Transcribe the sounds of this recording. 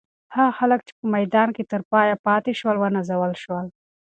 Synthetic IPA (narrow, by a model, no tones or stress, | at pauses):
haɣxaləkt͡ʃe̥pəmajd̪ɑnket̪əɾpɑjapɑt̪eʃwəlwənazawəlʃwəl